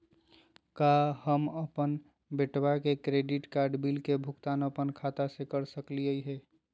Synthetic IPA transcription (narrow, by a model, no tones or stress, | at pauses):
kahəməpən | beʈbakekɾeɖiʈkaɾɖbilkebʱukt̪anəpənkʰat̪asekəɾsəkliəjɦɛ